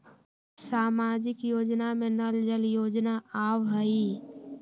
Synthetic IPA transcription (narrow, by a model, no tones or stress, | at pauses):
saːmaːd͡ʒɪkjoːd͡ʒnamẽnəld͡ʒəljoːd͡ʒnaaːwɦəi